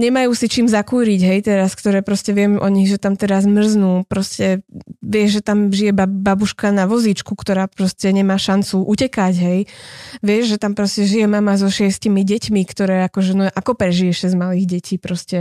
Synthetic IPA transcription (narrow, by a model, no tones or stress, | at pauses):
ɲɛmajuːsit͡ʃiːmzakuːɾiɟɦɛjt̪ɛɾaskt̪ɔɾɛːpɾɔscɛʋɪɛmʔɔɲiɣʒɛt̪amt̪ɛɾazmr̩znuːpɾɔscɛʋɪɛʒʒɛt̪amʒijɛbababuʃkanaʋɔzit͡ʃkukt̪ɔɾaːpɾɔscɛɲɛmaːʃant͡suʔucɛkaɟɦɛjʋɪɛʒʒɛt̪ampɾɔscɛʒijɛmamazɔʃɪɛscimiɟɛcmikt̪ɔɾɛːakɔʒɛnɔʔakɔpɾɛʒijɛʃɛzmaliːɣɟɛcʰiːpɾɔscɛ